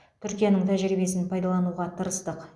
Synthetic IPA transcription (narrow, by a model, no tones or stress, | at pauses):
t̪ʰʏɾkʲijanəɴt̪ʰæʒɾibe̞sɪnpʰɑjd̪ɑlˠɑnuʁɑt̪ʰəɾəst̪əq